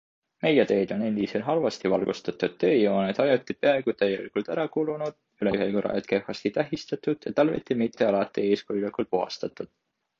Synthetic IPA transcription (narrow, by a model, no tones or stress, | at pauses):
me̞jet̪ø̞ːd̪̥o̞ne̞nd̪isenɦɑlvɑst̪ivɑlɡ̥ust̪ɑt̪ːˑud̪̥ːø̞ːjo̞ːnet̪ɑjɑt̪ːˑi̥peɑe̞ɡ̥ut̪æjːḛlikult̪æɾɑkulunud̪̥̚ | yleyhelkuɾɑ̰jɑ̰t̪̚ke̞fːɑst̪it̪æɦist̪ɑt̪ːˑud̪̥jɑ̰t̪ɑlvḭt̪ːˑimit̪ˑːeɑlɑt̪ːˑie̞ːskujulikult̪̚puɦɑ̰st̪ɑt̪ːˑud̪̥